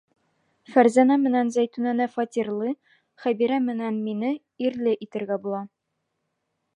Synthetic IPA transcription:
fæɾzænæmɘ̆nænzæjt̪ʉnænæfɒt̪ʲirlˠɤ | χæbiɾæmɘ̆nænminɘ | iɾlɘʔit̪ɘ̆ɾɡæbulˠɑ

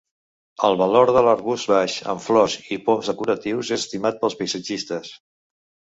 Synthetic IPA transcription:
əlˠβəloɾðələrβust̪βaʃə̰ɱflɔʃipɔmzðəkuɾət̪iwzeəst̪imat̪̚pəlˠspəjsəd͡ʒist̪əs

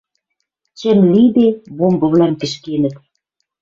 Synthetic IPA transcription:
t͡ɕə̆mlid̪eβombɤ̆βlæmkə̆ʃkenɘ̆t̪

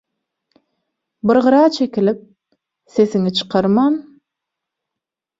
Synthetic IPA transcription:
bɨɾʁɯɾɑːt͡ʃʰe̞kʲilip̚ | se̞θiŋit͡ʃʰɯ̥qʰɑɾmɑn

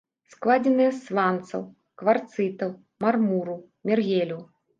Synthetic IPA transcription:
sklˠad͡zʲɛnɨjɐsvant̪sɐ̰w | kvart̪sɨt̪ɐw | marmuɾu | mʲɛrɣʲelʲuw

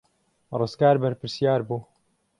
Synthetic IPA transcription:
rɨskaːɾbɐɾpɨɾsjaːɾbuː

